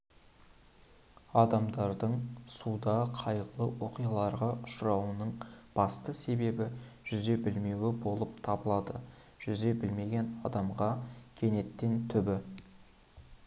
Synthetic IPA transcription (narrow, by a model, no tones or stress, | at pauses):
ɑd̪ɑmd̪ɑɾd̪əɴsud̪ɑqʰɑjʁəlˠəwo̞qijɑlˠɑɾʁɑʔʊʃɾɑwənəɴb̥ɑst̪əse̞be̞bɪʒ̥ʏze̞bɪlme̞wɪbo̞lˠəp̚t̪ʰɑbəlˠɑd̪ə | ʒ̥ʏze̞bɪlme̞ɡʲe̞nɑd̪ɑmʁɑkʲʰe̞ne̞t̪ːe̞nt̪ʰʏbɪ